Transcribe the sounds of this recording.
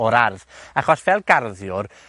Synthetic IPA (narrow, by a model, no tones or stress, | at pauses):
ɔɾarðaχɔsvɛlˠɡ̥arðjʊr